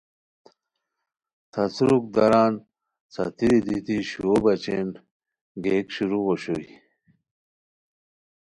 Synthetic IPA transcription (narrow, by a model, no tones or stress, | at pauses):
t̪ʰɐt͡sɾuk̚d̪ɐɾaːn | t͡sa̰t̪iɾid̪it̪iɕuobɐt͡ɕen | ɡeːkɕuɾuʁoɕoi